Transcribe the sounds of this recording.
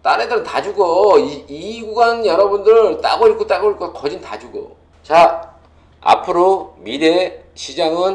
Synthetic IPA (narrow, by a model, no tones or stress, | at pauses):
t͈anedɯɾɯntad͡ʑuɡoiiɡuɡanjʌɾʌbundɯɭt͈a̰ɡoik͈ʰot͈aɡoik͈okʌd͡ʑintad͡ʑuɡo̰ | t͡ɕa | a̰pʰɯɾomiɾe̞ | ɕʰid͡ʑaŋɯn